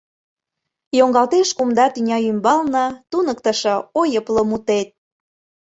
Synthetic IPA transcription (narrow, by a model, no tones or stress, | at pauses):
joŋɡɑlt̪eʃkumd̪ɑt̪ynʲɑymbɑlnɤ̆t̪unəkt̪ə̆ʃɤ̆ojəpləmut̪et̪̚